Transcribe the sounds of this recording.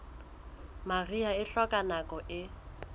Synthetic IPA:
mariaɪɬɔkʼanakʼɔʔɪ

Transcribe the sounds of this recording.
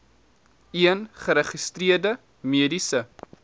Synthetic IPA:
iənχəɾəχistriərdə | miədisə

